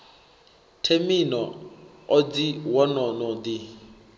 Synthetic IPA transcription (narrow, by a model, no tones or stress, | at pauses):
tʰeminɔɔd͡ziwɔnɔnɔdi